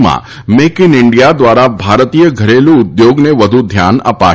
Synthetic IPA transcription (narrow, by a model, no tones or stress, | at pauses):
mã̰ | mekɪnɪɳɖijad̪ʋaɾabʱaɾt̪ijəɡʱəɾelũʊd̪joɡneʋəd̪ʱud̪ʱja̰nə̰pa̰